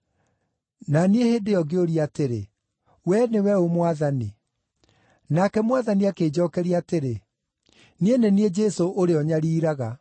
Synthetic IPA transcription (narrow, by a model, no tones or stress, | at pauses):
nanieheːdeɔɡeoɾiateɾḛ | wɛnewɛomwaðani | nakɛmwaðaniakeːd͡ʑɔːkɛɾiateɾe | nienenied͡ʒɛsoʔoɾeɔɲaɾiːɾaɣa